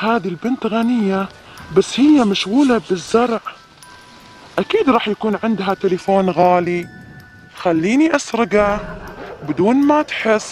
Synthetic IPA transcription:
haːðilbɪnt̪ɣanɪjːa | basːhɪjːamaʃɣuːlabɪzːɑɾˤʕ | ʔakiːd̪ɾˤɑːħjakuːnʕɪnd̪ɦat̪ɪlafoːnɣaːli | xalːiːniʔasɾɪɡa | bɪd̪uːnmat̪ħɪsː

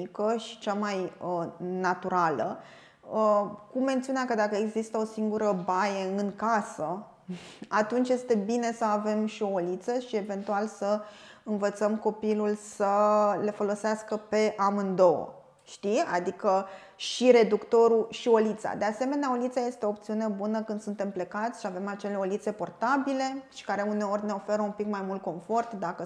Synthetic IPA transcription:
ikəʃi̥t͡ʃamajənat̪uɾalə̰ | əkumːe̞nt̪siunakəd̪akəeɡzist̪əo̞siŋɡuɾəbajeɨnkasə | at̪unt͡ʃjest̪e̞bine̞səave̞mʃio̞ːlit̪səʃie̞ve̞nt̪ualsəɨnvət̪səmko̞pilulsəle̞fo̞lo̞seaskəpe̞ʔamɨnd̪o̞wə̰ | ʃt̪ia̰d̪ikə | ʃiɾe̞d̪ukt̪o̞ɾuʃio̞lit̪sa̰d̪e̞ase̞me̞neaolit̪saje̞st̪eoːp̚t̪siune̞bunəkɨnd̪sunt̪e̞mple̞kat̪sʲʃiave̞mat͡ʃe̞le̞olit̪se̞po̞rt̪abile̞ʃi̥kaɾe̞une̞o̞rʲne̞o̞fe̞ɾəumpikmajmult̪̚ko̞mfo̞rt̪d̪akə

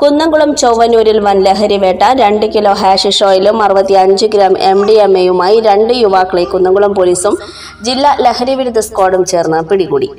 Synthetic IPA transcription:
kunːɐŋɡuɭɐmt͡ɕowʋɐnːuːɾilʋɐnleɦɐɾiʋeːʈːɐɾe̞ɳɖɨkilo̞ːɦaːʂiʂoːjilumɐrɨʋɐt̪ːiɐɲd͡ʑɨɡɾaːme̞mɖiemejumaːjiɾe̞ɳɖɨjuʋaːkːɐɭekːunːɐŋɡuɭɐmpoːliːsum | d͡ʑilːalehɐɾiʋiɾud̪ʱɐskoːɽumt͡ɕe̞ːrnːɐpiɽiɣuːɽḭ

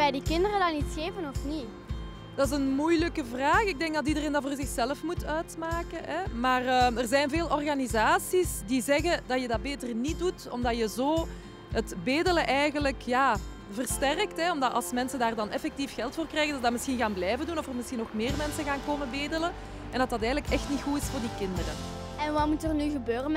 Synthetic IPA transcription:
ɛjdikɪndərədɑnitsxeːvənɔfni | d̥ɑɪs̬ənmujləkəvraːxɪɡ̚dɛŋɡdɑt̬idəreːndɑvoːrzɪxsɛləfmutʰœɥtmaːkəʔɛmaːrəmərzɛjnveːlˠɔrɣanizaːsisdizɛɣədɑjədɑt̚beːtərnit̚dutɔ̰mdɑjəzoː | ətbeːdələʔɛjɣənləkjaː | vərstɛrktɦɛɔmdɑʔɑ̰lˠsmɛnsəndaːrdɑnɛfɛk̚tifxɛlˠtfoːrkrɛːɣədɑdamɪsxinɣaːnblɛjvəndunɔfərmɪsxinɔxmeːrmɛnsəɣaːnkoːməbeːdələn | ɛndɑtɑtɛːɣənləkɛxtnitxuɪsfoːrdikɪndərə | ɛnʋɑmutərnyɣəbøːrə

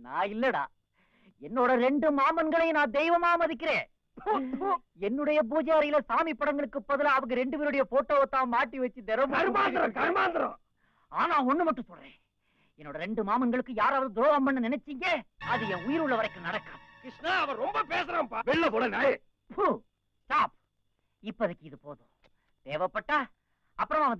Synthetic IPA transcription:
nã̰ːɪlːɐɽa̰ː | ɛnːoːɽɐɾɛɳɖɯmaːmɐnɡɐɭɐɪnãːd̪ɛɪʋɐmaːmɐðɪkːɪɾẽː | ɛnːɯɽɐjɐp̬uːd͡ʒɐjaːɾɐjɪlɐsaːmipːɐɽɐŋɡɐɭɯkːɯpːɐðɯlaːɐʋɐŋɡɐɾɛɳɖɯʋiːɾɯɽɐjɐpoːʈːɐʋoːt̪ːãːmaːʈːiʋɐt͡ʃːɯd̪ɛɾɐmɐɾmaːnd̪ɯɾɐ̃kɐɾmaːnd̪ɯɾõ̰ː | aːnãːɔnːɯmɐʈːɯ̃sɔlrḛ̃ː | ɛnːoːɽɐɾɛɳɖɯmaːmɐŋɡɐɭɯkːɯjaːɾaːʋɐðɯd̪ɾoːʋɐmbɐnːɯnɪnɛt͡ʃːɪŋɡeːɐðɯɛ̃ʊjɪɾɯɭːɐʋɐɾɐɪkːɯnɐɽɐkːaːmkɪʂnɐɐʋɐ̃ɾɔmbɐpeːs̬ɐɾaːmpaːʋɪɭːɐpoːɽɐna | pʰu | sʈaːp | ɪpːɐɐðɯkːɯɪðɯpoːðõ | t̪eːʋɐpːɐʈːaː | ɐpːɯɾɐmɐʋɐnd̪

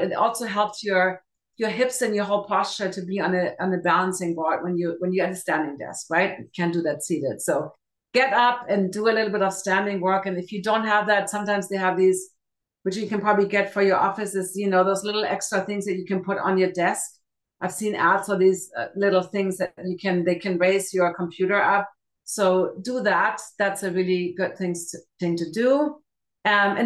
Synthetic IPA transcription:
ɨɾɔ̰lˠsoʊɦɛlˠpsjə˞ | jə˞ɦɪpsɨ̃njə˞ɦoʊlˠpʰɑst͡ʃə˞ɾɨbiə̃nɨə̃nɨbælˠə̃nsɪ̃ŋbɔɹk̚wə̃njɨwə̃njɨɨt̚ɨstæ̃ndɪ̃ŋdɛ̰skɹaɪt̚kʰæ̃ndɨðɨtsiɾɪd̥soʊ | ɡ̥ɛɾʌpɨ̃ndɨəlɪɾl̩ˠbɪɾʌv̥stæ̃ndɪ̃ŋwɜ˞kɨ̃nɨfjɨdõʊ̃nt̚ɦəvðætsʌ̃mtãɪ̃mzðeɪɨvðiz̥ | wɨt͡ʃjɨkɨ̃npʰɹ̥ɑbəbliɡɛtfə˞jə˞ʔɔfɨsɨzjɨnoʊðoʊzlɪɾl̩ˠɛ̰kstɹ̥ɨθɪ̃ŋzðɨt͡ʃɨkʰɨ̃npʰʊɾn̩jə˞dɛsk | ʔaɪv̥sĩnætsə˞ðizlɪɾl̩ˠθɪ̃ŋzðɨt͡ʃɨkʰɨ̃nðeɪkʰɨ̃nɹeɪzjə˞kʰm̩pʰj̥ʉɾə˞ʌp̚ | soʊdɨðæt̪̚ðætsɨɹɪlˠiɡʊd̪̚θɪ̃ŋtʰθɪ̃ŋtɨdu | ʌɨ̃

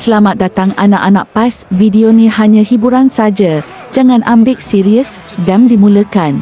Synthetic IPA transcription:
səlamat̪̚dat̪aŋanaʔanaʔ̚pasvidionĩhaɲãhibuɾansad͡ʒa | d͡ʒaŋãnʔambɪk̚siɾiəs | dandimũləkan

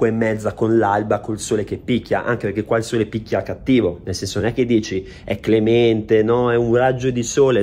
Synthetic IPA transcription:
waemːɛd̪zːakonlalbakolsoːlek̟epːikʲːja̰ʔa̰ŋk̟epeɾrk̟ekwailsoːlepikʲːjakːat̪ːiːvonelsɛnsononɛkːed̪ːiːt͡ʃi | ɛkːlemɛnt̪enɔɛunrad͡ʒːod̪isoːle

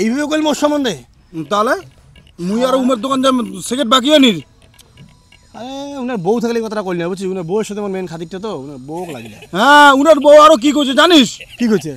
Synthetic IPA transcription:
ejbʱabekojlmoʃɔmːɔnd̪e | t̪ale | mujaɾoumeɾd̪okand͡ʑasekeʈ̚bak̬ijaniɾ | aɾeunaɾbowt̪ʰakelejkɔt̪ʰaɾakolinabot͡ɕʰiunaɾboeʃod̪emaɾmenkʰad̪ik̚ʈat̪̬ounaɾbokla̰ɡileɦɛ̃unaɾbowaɾok̬ik̬oɾt͡ɕʰed͡ʑaniʃkikot͡ɕʰe

